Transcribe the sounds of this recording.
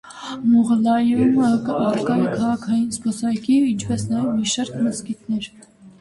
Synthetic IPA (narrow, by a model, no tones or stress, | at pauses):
muʁəlɑjuməkəɑrkɑɾəkʰɑʁɑkʰɑjinspɔsɑjkiint͡ʃʰpɛsnɑjɛvmiʃɑɾkʰməzkit̪ʰnɛɾ